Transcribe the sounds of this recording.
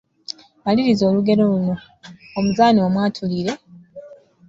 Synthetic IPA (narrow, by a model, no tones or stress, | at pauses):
maliɾizo̞ːluɡe̞ɾo̞luno̞ː | muzaːniomwaːtʰuliɾe̞